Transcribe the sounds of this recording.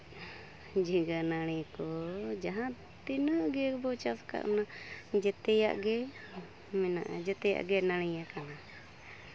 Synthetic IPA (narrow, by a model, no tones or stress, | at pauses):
d͡ʒiɡanaɽ̃ɛkɔd͡ʒaɦã | t̪inəʔɡɛɾbɔt͡ʃaska̰ʔmnad͡ʒɛt̪ɛja̰ʔɡɛ | mɛna̰ʔd͡ʒɛt̪ɛja̰ʔɡɛnaɽ̃ɛjakana